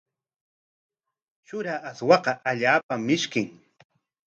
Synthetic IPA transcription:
t͡ʃʊɾaaswɑqɑʔaʎaːpamːɪʃkɪŋ

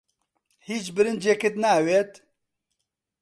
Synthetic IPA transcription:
hiːt͡ʃbɨɾɨnd̪d͡ʒekɨt̪naːweːt̪

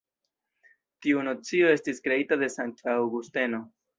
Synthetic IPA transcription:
tiuno̞t͡sio̞e̞stiskɾe̞itade̞santaːwɡuste̞no̞

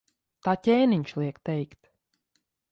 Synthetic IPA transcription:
t̪aːtʲɛːniɲʃlˠiɛkt̪ɛjkt̪

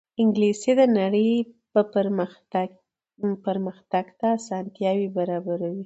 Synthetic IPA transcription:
ɪŋɡlised̪ənaɽəjpəpəɾ | pəɾməxt̪aɡt̪aːsɑnt̪jɑwibaɾɑbaɾawi

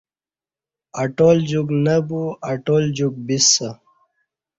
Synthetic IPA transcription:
ɐʈold͡ʑuɡnəbuɐʈoːld͡ʑuɡ̚bisːə

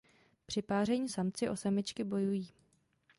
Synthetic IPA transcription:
pr̥ɪpaːr̝ɛɲiːsamt͡sɪʔo̞samɪt͡ʃkɪbo̞jujiː

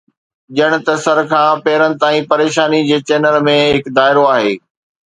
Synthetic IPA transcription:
ʄəɽ̃ʊ̆t̪ɐsɐɾkʰãːpɛːɾənɪ̆t̪aːĩpɐɾeːʃaːnid͡ʑeːt͡ɕeːnəlmẽɦɪkd̪aːɪɾoaːɦeː

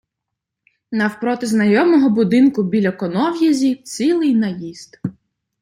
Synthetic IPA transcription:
nɐwpɾɔt̪ɪznɐjɔmɔɦɔbʊd̪ɪnkʊbʲilʲɐkɔnɔwjɐzʲiwt͡sʲilˠɪjnɐjist̪

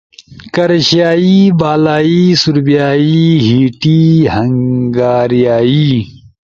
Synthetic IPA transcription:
kɐɾɕjaːiːbaːlaːiːsuɾbijaːiːɦiːʈiːhɐŋɡaːɾijaːiː

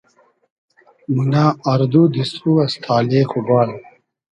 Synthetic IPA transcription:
minaːɐɾd̪ud̪isuɐst̪ʰaːleːkʰubaːl

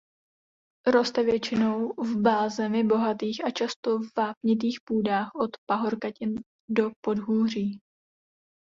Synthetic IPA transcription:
ɾo̞st̪ɛvjɛt͡ʃɪno̞wvbaːzɛmɪbo̞ɦat̪iːxat͡ʃast̪o̞vvaːpɲɪt̪̬iːxpuːdaːxʔo̞t̪paɦoɾkacɪn | do̞po̞dɦuːr̝iː

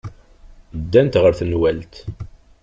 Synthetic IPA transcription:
d̪ːænt̪ʁəɾθənwælt̪

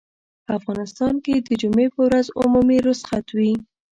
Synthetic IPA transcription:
pəafɣɑnɪst̪ɑnked̪əd͡ʒumepəwɾazʊ̰mumiɾʊsxat̪wi

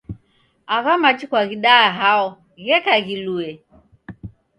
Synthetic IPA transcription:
aɣamat͡ʃikwaɣiɗaːɦaɔ | ɣɛkaɣiluɛ

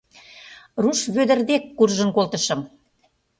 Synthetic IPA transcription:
ruʃβød̪ə̆rd̪ekːurʒənkolt̪ə̆ʃɤ̆m

